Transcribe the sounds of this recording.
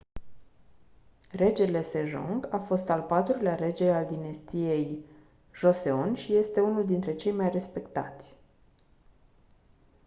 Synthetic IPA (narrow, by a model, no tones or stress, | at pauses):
re̞d͡ʒe̞le̞se̞ʒṵŋɡafo̞st̪alpat̪ɾuleaɾe̞d͡ʒe̞ald̪inest̪ije̞j | ʒo̞se̞o̞nʲʃije̞st̪e̞unuld̪int̪ɾe̞t͡ʃe̞jmajre̞spe̞kt̪a̰t̪sʲ